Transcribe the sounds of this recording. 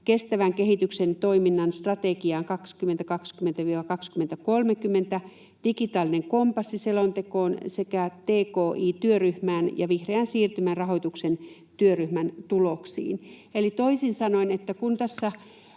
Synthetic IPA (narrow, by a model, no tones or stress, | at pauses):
kest̪æʋæŋkehit̪yksent̪oiminːɑnst̪rɑt̪ekiɑːŋkɑkskymːˑent̪ækɑkskyment̪æʋiːʋɑkɑkskyment̪ækolmekymːent̪æ | d̥ikit̪ɑːlːineŋkompɑsːiselont̪ekoːnsekæt̪eːkoːʔiːt̪yøryhmæːnjɑʋihreænsiːrt̪ymænrɑɦoit̪uksen | t̪yøryhmænt̪uloksḭːnelit̪oisinsɑnoinet̪ːækunt̪æsːæ